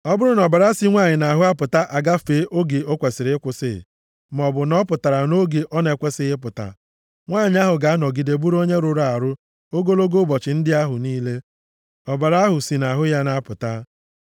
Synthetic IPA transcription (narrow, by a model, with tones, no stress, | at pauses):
ɔ˦bʊ˦ɾʊ˦n˨ɔ˨ba˨ɾa˦si˦ŋʷa˦˨ɲɪ˨na˨ɦʊ˦a˦pʊ˨ta˦ʔa˨ɡa˦feː˦ʔo˦ɡe˨o˦kʷe˨sɪ˨ɾɪ˦ɪ˦kʷʊ˨sɪ̰˦˨ | m˨ɔ˨bʊ˨nɔ˦pʊ˨ta˨ɾa˨no˦ɡe˨ʔɔ˦ne˨kʷe˦sɪ˦ɦɪ˦pʊ˨ta̰˨ | ŋʷaː˦˨ɲɪ˨˦a˦ɦʊ˨ɡa˦a˦nɔ˨ɡi˨de˨bu˦ɾo˦ɲe˦ɾʊ˨ɾa˦˨a˨ɾʊ˦ | o˦ɡo˦lo˦ɡo˦bɔ˨t͡ʃɪ˨n̩˦dɪ˦a˦ɦʊ˨niː˦le˦ | ɔ˨ba˨ɾa˦ɦʊ˨si˨na˨ɦʊ˦ja˦na˦pʊ˨ta˦